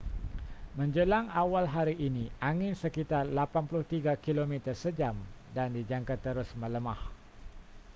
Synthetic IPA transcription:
mə̃ɲd͡ʒəlaŋawalɦaɾiʔːnĩʔaŋɪnsəkit̪arlapanpulʊht̪iɡakilomĩt̪ərsəd͡ʒam | dandid͡ʒaŋkat̪əɾʊsmə̃ləmah

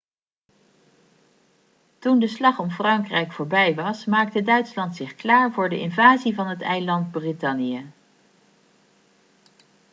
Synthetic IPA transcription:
tundəslɑχɔmfrɑŋkrɛjkfʊːɹbɛjʋɑsmaːk̚tədœɥtslɑntsɪχklaːɹvʊːɹdəʔɪnvaːzivɑnɦətɛjlɑnd̚britɑnijə

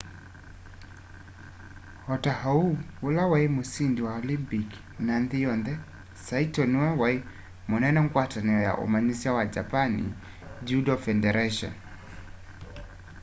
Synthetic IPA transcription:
hɔtahauulawaimusindiwaɔlimpik | nanðijɔndɛ | saitɔniwɛwai | mɔnɛnɔŋɡwatanɛɔja̰ʔṵmanisiawad͡ʒapanḭ | d͡ʒudɔfɛndɛɾaʃɔ̰n

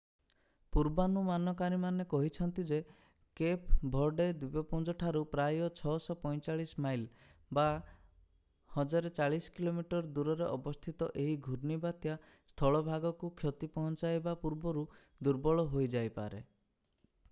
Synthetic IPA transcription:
puɾbanumanɔkaɾimanekɔɦit͡ʃʰɔnt̪id͡ʒe | kepbʱɔɾɖed̪wubɔpund͡ʒɔʈʰaɾupɾajɔt͡ʃʰɔsɔpɔjt͡ʃaɭismajl | ba | hɔd͡ʒaɾet͡ʃaɭiskilomiʈɔɾd̪uɾɔɾeʔɔbɔst̪ʰit̪ɔʔeɦiɡʱuɾnibat̪ja | st̪ʰɔɭɔbʱaɡɔkukʰjɔt̪ipɔɦɔnt͡ʃajbapuɾbɔɾu | d̪uɾbɔɭɔɦojd͡ʒajpa̰ɾḛ

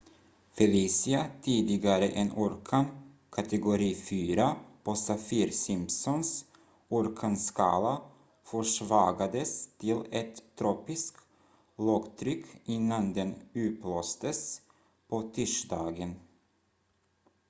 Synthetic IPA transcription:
fɛliːsɪat̪ʰiːd̪ɪɡaɾəʔɛnʔuːɾkʰan | kʰat̪ɛɡʊɾiːfyːɾapʰosafiːɾsɪmpsɔns | uɾkʰanskʰɑ̰ːla | fœʂvɑːɡad̪əst̪ʰɪlɛt̪ʰːɾoːpɪsk | loɡt̪ʰɾʏkʰːɪnːand̪ɛnʉ̟ːp̪loːst̪əs | pʰɔt̪ʰʏʂd̪ɑːɡən

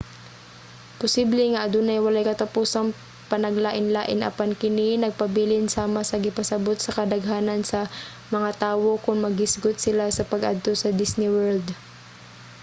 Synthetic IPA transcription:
pʊsiblɛŋɐʔɐd̪uːnɐjwɐlajkɐt̪ɐpuːsɐŋ | pɐnɐɡlaːʔɪnlaːʔɪnʔɐ̰pankɪninɐɡ̚pɐbiːlɪnsaːmɐsɐɡɪpɐsɐbot̪̚sɐkɐd̪ɐɡɦaːnɐnsɐ | mɐŋat̪aːwo̞kʊŋmɐɡɪsɡʊt̪̚sɪlasɐpɐɡʔa̰d̪̚t̪o̞sɐd̪ɪsnɪwɛld̪

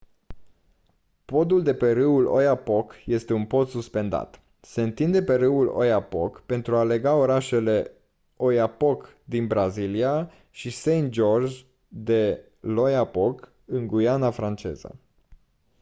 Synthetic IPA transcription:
po̞d̪uld̪e̞pe̞ɾɨulo̞̰japo̞kje̞st̪e̞unpo̞t̪suspe̞nd̪a̰t̪ | se̞ɨnt̪ind̪e̞pe̞ɾɨwulo̞̰japo̞̰kpe̞nt̪ɾuale̞ɡao̞ɾaʃe̞le̞ | o̞japo̞k | d̪inbɾazilia | ʃisejnt̪̚d͡ʒo̞rd͡ʒ | d̪e̞ | lo̞japo̞k | ɨŋɡujanafɾant͡ʃe̞̰zə̰

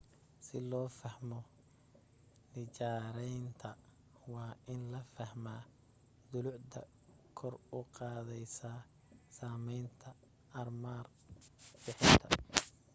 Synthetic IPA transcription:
sɪlɔːfɐhmɔ | nɪt͡ʃaːɾɛjnt̪ʰɐ | wɑːʔɪnlɐfɐhmaː | d̪ʊlʊʕd̪ɐ̰ | kʰɔrʊqɑːðɛjsaː | saːmɛjnt̪ʰɐ | ɐrmaːr | bɪħɪnt̪ʰɐ

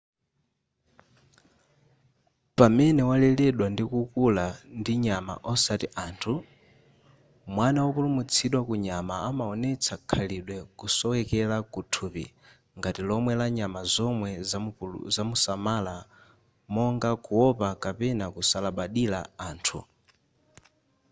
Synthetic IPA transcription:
pamɛnɛwalɛlɛɗwandikukulandiɲama̰ʔɔsatiʔaːntʰu | mwanawɔpulumut͡sʰiɗwakuɲamaːmaɔnɛt͡sʰakʰaliɗwɛkusɔwɛkɛlakutʰupḭ | ŋɡatilɔmwɛlaɲamazɔmwɛzazamusamala | mɔŋɡakuɔpakapɛnakusalaɓaɗila̰aːntʰṵ

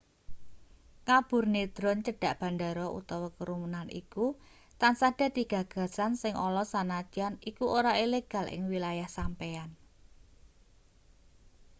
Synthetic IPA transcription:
kab̥ʊ̤rned̪̥ɾɔnt͡ʃəɖ̥a̤ʔb̥a̤nd̪aɾɔʔṵt̪ɔwɔkəɾumənanʔḭku | t̪ansaɖ̥a̤d̪̥i̤ɡ̥ä̤ɡ̥ä̤sansɪŋʔɔlɔsanat͡ʃanikuʔoɾaileɡ̥a̤lʔɪ̰ŋwilajahsampean

